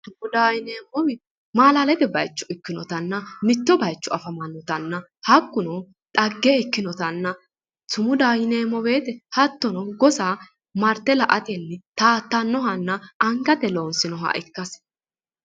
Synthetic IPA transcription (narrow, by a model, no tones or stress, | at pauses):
tʊmʊd̪aːjɪneːmːɔwɪ | maːlaːlɛt̪ɛbɐ̰jt͡ʃːʊɪkːɪnɔt̪ɐnːɐmɪt̪ːɔbɐjt͡ʃːɔɐfɐmɐnːɔt̪ɐnːɐ | hɐkːʊnɔ | ᶑ̪ʼɐɡːeɪkːɪnɔt̪ɐnːɐ | tʊmʊd̪aːjɪneːmːɔbe̞ːt̪ɛhɐt̪ːɔnɔɡɔsaː | mɐɾt̪ːɛlɐʔɐt̪ʼɛnːɪt̪aːt̪ːɐnːɔɦɐnːɐɐŋɡɐt̪ɛlo̞ːnsɪnɔɦɐ̰ʔɪkːɐs